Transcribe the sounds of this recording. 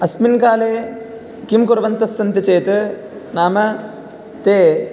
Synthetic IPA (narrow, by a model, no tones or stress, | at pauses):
ɐsminkaːleː | kimkuɾɐʋɐnt̪ɐsːɐnt̪it͡ʃeːt̪ɨ | naːmɐ | t̪eː